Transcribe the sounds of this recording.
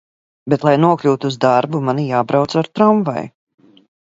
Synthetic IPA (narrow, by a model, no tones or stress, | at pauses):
bet̪lˠajnuɔklʲuːt̪uːzd̪aɾbumanijaːbɾawt̪saɾt̪ɾɔmva̰j